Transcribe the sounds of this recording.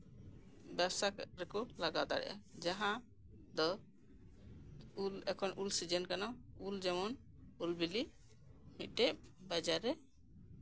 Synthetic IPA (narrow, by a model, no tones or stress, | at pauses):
bɛbsaɾɛkɔlaɡad̪a̰ɾɛ̰ʔa̰d͡ʒaɦã | d̪ɔ | ulɛkʰɔnʔulsid͡ʒɛnkanauld͡ʒɛmɔn | ulbili | miʈɛʔbad͡ʒaɾɛ